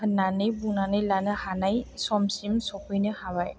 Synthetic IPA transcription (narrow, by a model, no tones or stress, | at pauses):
hnanɯjbunanɯjlanɯhanajsɔmsimsɔpʰɯjnɯhabaj